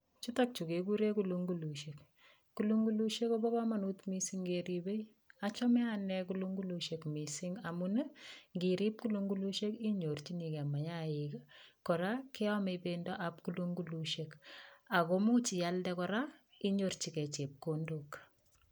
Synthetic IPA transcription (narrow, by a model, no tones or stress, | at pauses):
t͡ʃutak̚t͡ʃukekuɾekuluŋɡuluʃek | kuluŋɡuluʃekɔbɔbamanutmisiŋɡeɾibej | at͡ʃɔmɛanɛkuluŋɡuluʃekmisiŋamunəŋɡiɾip̚kuluŋɡuluʃekiɲort͡ʃinikɛmaɲaiɡakːɔɾakeɔmebendɔʔap̚kuluŋɡuluʃekakomut͡ʃijaldɛkɔɾa | iɲort͡ʃikɛt͡ʃep̚kondok